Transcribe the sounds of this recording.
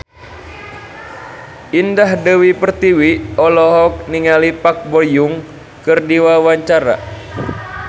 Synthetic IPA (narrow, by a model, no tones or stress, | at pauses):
ʔindahdəwipərt̪iwiɔlɔɦɔk̚niŋalipak̚bɔjuŋ | kɨrdiwawaɲt͡ʃaɾa̰